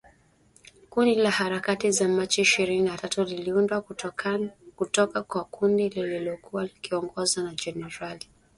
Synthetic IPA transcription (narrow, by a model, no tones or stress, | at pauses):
kundilahaɾakatizamat͡ʃiiʃiɾininatatuliliundwa | kutɔkakwakundilililɔkuwalikiɔŋɡɔzanad͡ʒɛnɛɾali